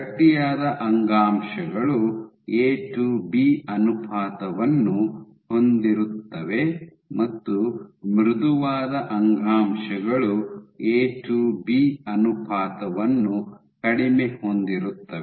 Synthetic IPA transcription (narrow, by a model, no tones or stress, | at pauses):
ɐʈ̪ːijaːd̪ɐʔɐŋɡaːmʃɐɡɐɭu | eːʈubiːɐnupʰaːt̪ɐʋɐnːu | ho̞nd̪iɾut̪ːɐʋe̞ | mɐt̪ːumɾud̪uʋaːd̪ɐʔɐŋɡaːmʃɐɡɐɭueːʈubiːɐnupʰaːt̪ɐʋɐnːu | kɐɽimehond̪iɾut̪ːɐe